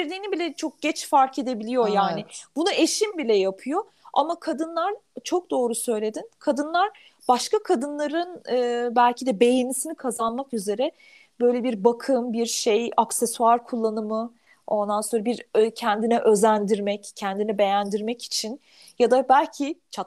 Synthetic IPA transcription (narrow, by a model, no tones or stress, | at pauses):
ɾd̪iːnibilʲɛt͡ʃʰo̞k̚ɟ̥ɛt͡ʃfaɾkʰe̞d̪e̞bilʲijo̞jaːnɪb̥unue̞ʃimbilʲɛjapʰɯjo̞ | a̰makʰad̪ɯnlˠaɾt͡ʃʰo̞k̚d̪o̞ːɾusø̞jlʲe̞d̪inkʰad̪ɯnlˠaɾ | b̥aʃkakʰad̪ɯnlˠaɾɯnɯːbælʲcʰid̪ɛbe̞jenisinikʰazanmakyze̞ɾɛ | bø̞jlʲebiɾbakʰɯmbiɾʃejaksɛsuaɾkʰulˠːanɯmɯ | o̞nd̪anso̞ɾabiɾcʰɛnd̪inɛʔø̞zænd̪iɾmɛccʰɛnd̪inɛbe̞jænd̪iɾmɛci̥t͡ʃʰin | jad̪abælʲcʰit͡ʃʰa